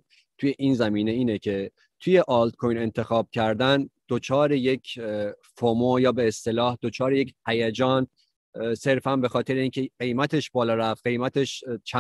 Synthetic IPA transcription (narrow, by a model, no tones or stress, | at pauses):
t̪ʰujeʔiːnzæmiːne̞iːnecʰe̞ | t̪ʰuje̞ʔɒːlt̪̚kʰojne̞nt̪ʰe̞xɒːb̥̚cʰæɾd̪ænd̪̥ot͡ʃʰɒːɾeje̞cʰfomojɒːbe̞ːst̪e̞lɒːhd̪̥o̞t͡ʃʰɒːɾeje̞chæjæd͡ʒɒːn | se̞ɾfænbe̞xɒːt̪ʰe̞ɾeiːncʰeɢe̞jmæt̪ʰe̞ʃbɒːlɒːɾæf̚ɢe̞jmæt̪ʰe̞ʃt͡ʃʰ